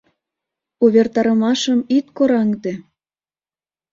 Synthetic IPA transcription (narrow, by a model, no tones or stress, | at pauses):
uβʲert̪ɑɾə̆mɑʃəmit̪̚koɾɑŋd̪e